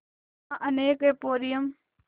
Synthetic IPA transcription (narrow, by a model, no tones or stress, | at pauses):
ãʔɐneːkepoːɾijəm